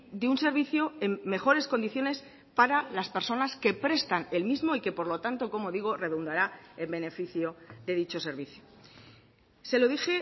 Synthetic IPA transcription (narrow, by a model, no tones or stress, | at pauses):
d̪eunse̞ɾβ̞iθjoe̞mːe̞xo̞ɾe̞sko̞nd̪iθjo̞ne̞s | paɾalaspe̞ɾso̞naske̞pɾe̞st̪ane̞lmizmo̞ike̞po̞ɾlo̞t̪ant̪o̞ko̞mo̞ðiɣ̞o̞re̞ðund̪aɾaelbe̞ne̞fiθjoðe̞ðit͡ʃo̞se̞ɾβiθjo | se̞loðixe̞